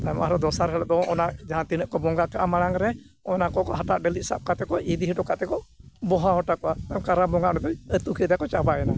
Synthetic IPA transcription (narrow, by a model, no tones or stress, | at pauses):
t̪ajmʔaɦɾad̪ɔsaɾɛlɔd̪ɔɔnaʔd͡ʒaɦãt̪inəʔkɔbɔŋɡakaʔamaɽaŋɾɛ | ɔnakɔkɔɦaʈaʔɖəlit̪̚sa̰p̚kat̪ɛkɔʔid̪iɦiɖɔkaʔt̪ɛkɔbɔɦaɦɔʈakɔʔat̪aɔmkaɾabɔŋɡaʔnɛt̪ɔət̪ukʰɛd̪ɛjakɔt͡ʃabajɛna